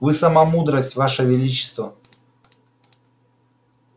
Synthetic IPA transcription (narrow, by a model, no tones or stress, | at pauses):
vɨsɐmamud̪ɾəsʲtʲvaʂəvʲɪlʲit͡ɕɪ̥st̪və